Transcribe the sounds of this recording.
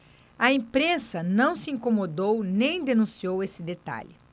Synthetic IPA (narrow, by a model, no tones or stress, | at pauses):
ɐẽmpɾẽsɐnɐ̃w̃sɪĩkomod̪ownẽj̃d̪enũsiowesɪd̪et̪a̰ʎɪ